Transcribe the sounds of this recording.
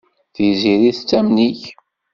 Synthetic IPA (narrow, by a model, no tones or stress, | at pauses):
θiziɾiθt͡sːæmniç